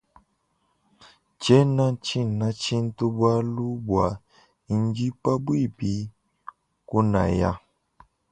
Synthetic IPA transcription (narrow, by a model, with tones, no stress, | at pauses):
t͡ʃɛ˦nã˦t͡ʃi˦˨nã˨˦t͡ʃĩ˦n̩˦tu˦bwa˦lu˦bwa˨ | i˨n˦d͡ʒi˦pa˦bwi˦˨pi˨˦ | ku˦na̰˨ja̰˦